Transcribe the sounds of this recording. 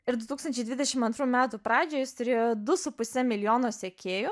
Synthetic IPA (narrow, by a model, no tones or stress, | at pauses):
ɪɾd̪ʊt̪uːkst̪ɐnʲt͡ʃʲɛɪd̪ʲʋʲɪd̪ʲɛʃʲɪmɐnt̪ɾuːmʲæːt̪upɾɑːd͡ʒʲoːjɪst̪ʊɾʲeːjoːd̪ʊsʊpʊsʲɛmʲɪlʲɪjoːnoːsʲekʲeːjʊ